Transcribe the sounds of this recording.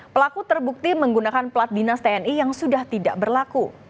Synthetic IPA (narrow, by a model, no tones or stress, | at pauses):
pəlakut̪ərbuk̚t̪iməŋɡunakanplat̪̚dinast̪eɛnijaŋsudaht̪idaʔbərlaku